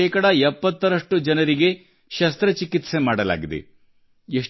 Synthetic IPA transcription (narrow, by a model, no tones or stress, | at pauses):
ɛːkɐɽɐɛpːɐt̪ːɐɾɐʂʈud͡ʒɐnɐɾiɡe̞ | ʃɐst̪ɾɐt͡ʃikit̪se̞maːɽɐla̰ːɡid̪ḛ | eʂ